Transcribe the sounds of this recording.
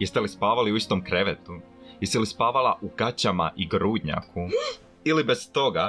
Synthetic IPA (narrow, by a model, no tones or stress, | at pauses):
jest̪elispaːʋaliuist̪omkɾeʋet̪u | jest̪elispaːʋalaʔuɡ̥at͡ɕama̰ʔiɡɾuːd̪ɲa̰kʰu | ilibest̪o̞ɡa